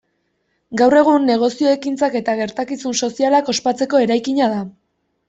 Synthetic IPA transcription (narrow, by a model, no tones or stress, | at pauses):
ɡawre̞ɣ̞unːe̞ɣ̞o̞sio̞ekint͡sake̞t̪aɣe̞ɾt̪akisunso̞sialako̞spat͡se̞ko̞e̞ɾajkiɲaða